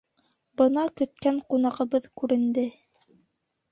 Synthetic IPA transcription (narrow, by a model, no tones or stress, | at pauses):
bɤnɑkɵ̆t̪̚kæŋqunɑʁɤ̆βɤðkʉɾɘ̆nd̪ɘ